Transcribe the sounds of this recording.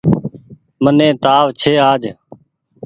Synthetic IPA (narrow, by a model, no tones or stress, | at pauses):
mənẽːt̪aːʋt͡ʃʰeːaːd͡ʒ